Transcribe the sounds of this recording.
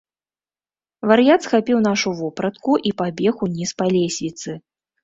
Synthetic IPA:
vɐɾjat̪sxapʲiwn̪aʂuvɔpɾɐt̪̚kuʔipabʲɛxunʲispalʲesʲvʲit̪sɨ

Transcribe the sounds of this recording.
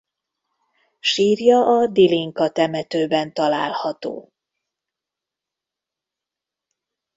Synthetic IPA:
ʃiːrjɒʔɒd̪iliŋkɒt̪ɛmɛt̪øːbɛnt̪ɒla̰ːlhɒt̪o̰ː

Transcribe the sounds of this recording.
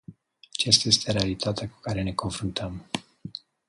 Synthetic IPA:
at͡ʃast̪aje̞st̪e̞ɾealit̪ʰat̪eaku̥kaɾe̞ne̞ko̞nfɾunt̪ʰəm

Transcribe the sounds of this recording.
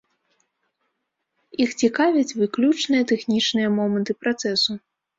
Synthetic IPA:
ixt͡sʲikavʲɐt͡sʲvɨklʲut͡ʂnɨjɐt̪ɛxnʲit͡ʂnɨjɐmɔmɐnt̪ɨpɾat̪sɛsu

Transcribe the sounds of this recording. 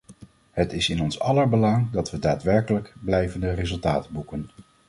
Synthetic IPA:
ɦətɪsɪnɔnsɑləɹbəlɑŋdɑtʋədaːtʋɛɹkələkblɛjvəndərezɵlˠtaːtbukən

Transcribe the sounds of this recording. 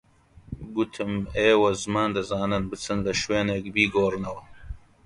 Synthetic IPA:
ɡʊt̪ʰɨmeːwɐzɨmaːnd̪ɐzaːnɨnbɨt͡sɨnlɐʃweːneːk̚biːɡoːrɨnɐwɐ

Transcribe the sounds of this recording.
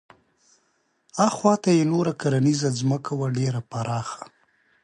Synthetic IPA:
ɑxwɑt̪ajenoɾakaɾanizazməkʰawaɖeɾapaɾɑxḁ

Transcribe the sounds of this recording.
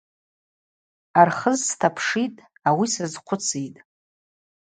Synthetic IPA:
arχəzstʰapʰʂitʼ | awisazqʷʰʊt͡sʰitʼ

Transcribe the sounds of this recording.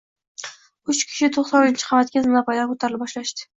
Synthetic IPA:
ʊt͡ʃkʲʰɪ̥ʃɪt̪ʰoχsɒnʊɪnt͡ʃʰɪ̥qʰɑmat̪̚kʲazmnapʰajd̪aʁkʰot̪ʰaɾɪlɪbɒʃlaʃt̪ɪ̥

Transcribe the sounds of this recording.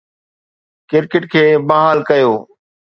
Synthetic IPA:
kɪɾkɪʈkʰeːbaːɦaːlkəjoː

